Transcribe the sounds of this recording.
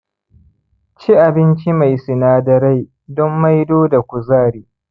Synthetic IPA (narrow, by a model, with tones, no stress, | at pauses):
t͡ʃi˦ʔa˨bɪ˦nt͡ʃi˦ma˨jsɪ˨naː˦dɐ˦ɾa˦j | dɔ˦mːa˦jdoː˦da˨kʷu˨zaː˦˨ɽiː˨